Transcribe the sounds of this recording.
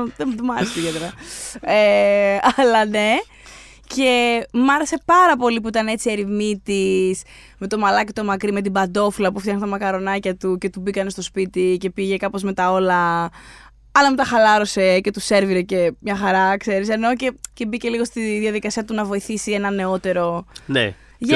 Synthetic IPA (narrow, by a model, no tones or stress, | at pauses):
ðemt̪omɐɾeseiʝɐt̪eɾɐeɐlɐne̞ | ce̞mɐɾe̞se̞pɐɾɐpo̞lipuit̪ɐnee̞t͡sieɾimit̪is | me̞t̪o̞mɐlɐcit̪o̞mɐkɾime̞t̪̬ibɐnd̪o̞filɐpuft̪jɐxnst̪ɐmɐkɐɾo̞nɐcɐt̪uce̞t̪ubikɐne̞st̪o̞spit̪ice̞piʝe̞kɐpo̞zme̞t̪ɐo̞lɐ | ɐlɐmet̪ɐxɐlɐɾo̞se̞ce̞t̪use̞ɾviɾecemɲɐxɐɾɐkse̞ɾise̞no̞ce̞ce̞bice̞liɣo̞st̪iðiɐðikɐsiɐt̪unɐvo̞iθisie̞nɐne̞o̞t̪e̞ɾo̞nḛ | ʝ